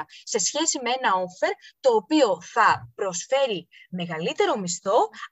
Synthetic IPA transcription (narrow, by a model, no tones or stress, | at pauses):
se̞sçe̞simee̞nɐo̞fe̞ɾt̪o̞ːpio̞θɐpɾo̞sfe̞ɾime̞ɣɐlit̪e̞ɾo̞mist̪o̞